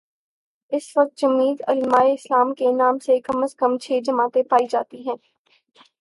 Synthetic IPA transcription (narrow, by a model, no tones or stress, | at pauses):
ɪsʋɐk̚t̪̚d͡ʒɐmiːd̪ɐlmaːeɪslaːmkenaːmsekɐməskəmt͡ʃʰeːd͡ʒɐmaːt̪epaːid͡ʒaːt̪iɦɛ̃ː